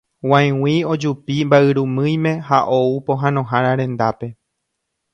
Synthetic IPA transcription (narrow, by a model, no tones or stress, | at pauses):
wãj̃w̃ĩo̞d͡ʒupimbaɨɾumɨ̃j̃mẽ̞haʔoupo̞ɦãnõ̞ɦãɾ̃ãɾẽ̞nd̪ape̞